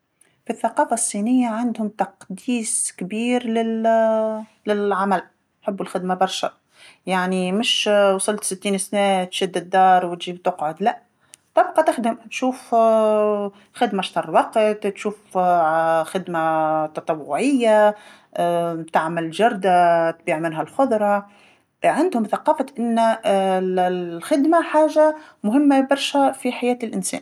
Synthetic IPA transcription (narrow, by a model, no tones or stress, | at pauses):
fiθːɑqɑːfasˤːinɪjːaʕand̪hʊmt̪ɑqd̪iːskbiːɾlɪ | lɪlʕamæl | ħɪbːʊlxɪd̪mabɑɾˤʃa | jaʕnimɪʃwɑsˤəlt̪sɪt̪ːiːnsnɛt̪ʃæd̪ːɪd̪ːɑːɾˤwɪt̪ʒiːbt̪ʊqʕʊd̪læ | t̪ˤɑb̚qɑt̪ɪxd̪əmt̪ʃuːf | xɪd̪maʃt̪ɑrˤːwɑqət̪t̪ʃuːf | xɪd̪mat̪ɑt̪ˤɑwːʊʕɪjːa | t̪aʕmɪlʒɑɾˤd̪at̪biːʕmɪnɦælxʊd̪ˤɾˤɑ | ʕand̪hʊmθɑqɑːfaʔɪnː | xɪd̪maħaːʒamʊɦɪmːabɑɾˤʃæfiħajæːt̪lʔɪnsɛ̰ːn